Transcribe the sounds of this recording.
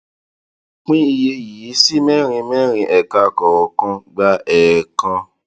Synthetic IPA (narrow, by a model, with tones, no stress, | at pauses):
k͡pĩ˦i˧je˧ji˨˦si˦mɛ̃˦ɾ̃ĩ˧mɛ̃˦ɾ̃ĩ˧ʔɛ˨ka˧kɔ˨wɔ˨kã˧ɡ͡ba˦ɛ˨kã˧